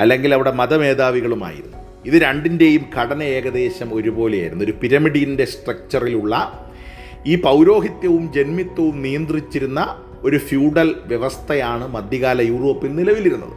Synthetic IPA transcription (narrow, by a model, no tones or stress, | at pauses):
ɐlːe̞ŋɡilɐʋiɽe̞mɐðɐmeːd̪aːʋiɣɐɭuma̰ːjḭɾnː | iðɨɾɐɳɖinde̞jumkʰɐɽɐnɐe̞ːɡɐd̪e̞ːɕɐmo̞ɾubo̞ːleja̰ːjiɾunːo̞ɾupiɾɐmiɽijinde̞sʈrɐk̚t͡ɕɐriluɭːɐ | iːpɐwɾo̞ːɦit̪jɐʋumd͡ʑe̞nmit̪ːɐʋumnijɐnd̪rit͡ɕːiɾunːɐ | o̞ɾufjuːɽɐlʋjeʋɐst̪ʰɐjaːɳɨmɐd̪jɐɣaːlɐjuːro̞ːpːilnilɐʋiliɾunːɐ̰ðɨ̰